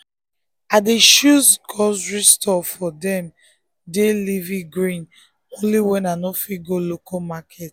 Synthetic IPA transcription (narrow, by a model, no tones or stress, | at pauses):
adeʃuskʰɔsɹistʰɔfɔdɛ̃m | delivĩɡɹĩn | õnliwɛ̃nanɔfiɡolokʰɔmakʰɛt